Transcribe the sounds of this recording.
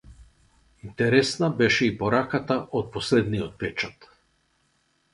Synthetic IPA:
int̪ɛɾɛsnabɛʃɛipɔɾakat̪aʔot̪̚pɔslɛd̪niɔt̪̚pɛt͡ʃat̪

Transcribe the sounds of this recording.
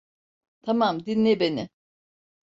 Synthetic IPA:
t̪ʰamamd̪inːʲebenɪ

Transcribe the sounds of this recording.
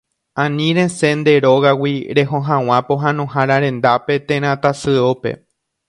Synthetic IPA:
ãnĩɾẽ̞se̞nd̪e̞ɾo̞ɣawiɾe̞ɦõɦãw̃ãpo̞ɦãnõɦaɾãɾẽ̞nd̪ape̞t̪ẽɾ̃ãt̪asɨope̞̰

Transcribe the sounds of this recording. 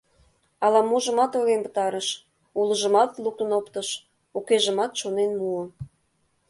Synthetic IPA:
ɑlɑmuʒə̆mɑt̪oɣenpə̥̆t̪ɑɾəʃ | ulə̆ʒə̆mɑt̪luk̚t̪ənopt̪ɤ̆ʃ | ukeʒə̆mɑt̪ʃonenmuə̆

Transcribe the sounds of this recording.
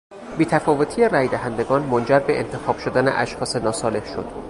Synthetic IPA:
biːt̪ʰæfɒːvo̞t̪ʰiːeræjd̪æɦænd̪e̞ɡɒːnmond͡ʒæɾbe̞ʔent̪ʰe̞xɒːb̥ʃod̪ænḛʔæ̰ʃxɒːsenɒːsɒːle̞hʃo̞̰d̪̥

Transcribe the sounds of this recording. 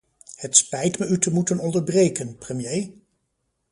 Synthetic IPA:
hətspɛjtməytəmutənɔndəɹbrejkənprəmjej

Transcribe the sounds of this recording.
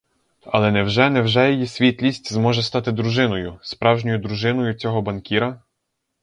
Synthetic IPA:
ɐ̰lˠɛnɛwʒɛnɛwʒɛjejisʲʋʲit̪ʲlʲisʲtʲzmɔʒɛst̪ɑt̪ɪd̪ɾʊʒɪnɔjʊspɾɑwʒnʲɔjʊd̪ɾʊʒɪnɔjʊt͡sʲɔɦɔbɐnkʲiɾɐ

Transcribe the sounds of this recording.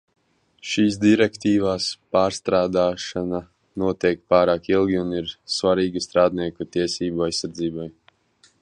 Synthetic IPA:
ʃiːsd̪iɾɛkt̪iːvaːspaːɾst̪ɾaːd̪aːʃana | nuɔt̪ɛk̚paːɾaːkilˠɡʲiuniɾsvaɾiːɡast̪ɾaːd̪̚niɛkut̪iɛsiːbuajsːaɾd̪ziːbaj

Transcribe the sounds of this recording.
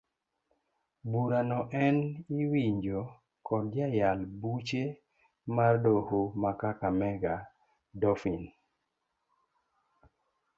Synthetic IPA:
buɾanɔʔɛniwiɲd͡ʒo | kɔdd͡ʒajalbut͡ʃe | mardohumakakamɛɡa | dɔfin

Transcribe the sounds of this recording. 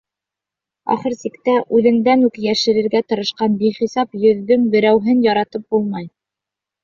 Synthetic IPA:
ɑ̰χɤɾsikt̪æʔʉðɘ̆ŋd̪ænʉkjæʃɘ̆ɾɘ̆ɾɡæt̪ɤ̆ɾɤ̆ʃqɑnbiχisɑpjɵ̆ðːɵŋbɘ̆ɾæwɦɘnjɑɾɑt̪ɤp̚bulˠmɑj

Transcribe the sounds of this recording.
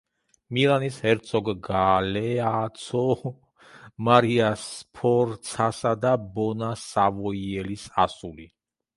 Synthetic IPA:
milanishɛɾt̪sʰɔɡɡalɛat̪sʰɔ | maɾiaspʰɔɾt̪sʰasad̪abɔnasavɔiɛlisasuli

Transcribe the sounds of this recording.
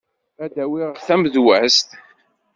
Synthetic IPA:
æd̪æwiʁθæmðwæst̪

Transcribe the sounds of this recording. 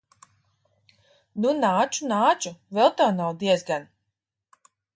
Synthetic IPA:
nunaːt͡ʃunaːt͡ʃuvɛlˠt̪awnawd̪iɛzɡan

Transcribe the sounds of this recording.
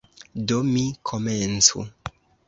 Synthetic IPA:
domikʰoment͡sṵ

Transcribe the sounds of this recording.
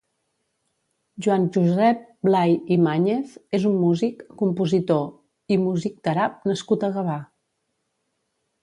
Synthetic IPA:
ʒwanʒuzɛp̚blajimaɲeθezumːuzikːumpuzit̪o | imuzik̚d̪̥əɾap̚nəskut̪əɣəβa

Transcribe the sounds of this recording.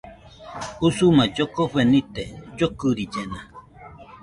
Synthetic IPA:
usumãd͡ʒokoɸenit̪ed͡ʒokɨɾid͡ʒenã

